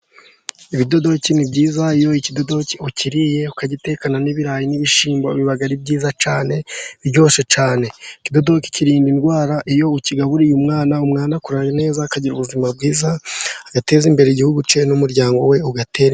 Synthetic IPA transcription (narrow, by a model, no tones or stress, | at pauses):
iβido̞do̞cinibɟiːzaijo̞icido̞do̞ciociɾije̞ukaɟite̞kananiβiɾaːjiniβiʃiːmboiβiβaɡaɾibɟiːzat͡ʃaːne̞ɟo̞ːse̞t͡ʃaːne̞icido̞do̞ci̥ciɾiːndinɡwaːɾaʔijo̞uciɡaβuɾijumŋaːnaumŋaːnakuɾaɡene̞ːzakaɟiɾuβuzimab̚ɡiːzaaɡate̞ːzimbe̞ɾeiɟihuɡut͡ʃe̞numuɾɟaːŋɡo̞we̞uɡatʰe̞ːɾe